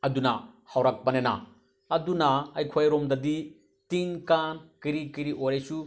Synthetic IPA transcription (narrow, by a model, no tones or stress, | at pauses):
ɐdunɐhawɾak̚pɐnena̰ | ɐdunɐːjkʰojɾomdɐdi | tinkankiɾikiɾiʔoɾesu